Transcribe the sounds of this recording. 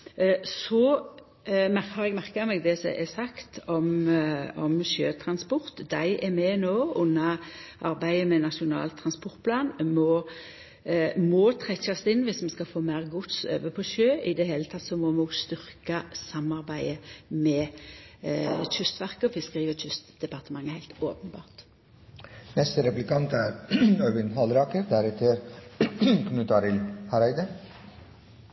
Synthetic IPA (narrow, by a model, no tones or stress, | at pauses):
sɔ | mæɾəɾɛɡmæɾkəmɛɡd̪ɛsɔ̰ʔɛsɑkt̪ɔm | ɔmʃøːt̪ʰɾɑnspɔɾt̪d̪æɪʔɛmɛnoːʊnːɑʔɑɾbæɪəmɛnɑʂʊnɑ̰ːlt̪ʰːɾɑnspɔɾt̪̚pʰlɑːnmɔ | mɔːt̪ʰɾɛçɑst̪ɪnːʋɪsmɛskɑfoːmæɪʁɡʊt̪sø̰ːʋəpʰɔʃøːʔɪd̪ɛheːlət̪ʰɑt̪ːsɔmɔuɡst̪ʏɾkɑsɑmːɑʁbæɪəmɛ | t͡ʃʰʉst̪ʋæʁkəɔfɪskʁiːʋət͡ʃʏst̪d̪ɛpɑʁt̪əmɑŋːəhæɪlt̪oːpənbɑ̰ːʁt̪ | nɛst̪əɾɛplɪkɑnt̪æːɾœʋɪnhɑlɾɑːkəɾd̪æɾɛt̪ʰəɾ | kʰnʉt̪ʰɑɾɪlhɑɾæɪd̪ə